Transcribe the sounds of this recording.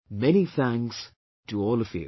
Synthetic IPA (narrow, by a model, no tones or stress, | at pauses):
mɛniθæ̃ŋs | d̥əɔːlˠʌvjʉ̰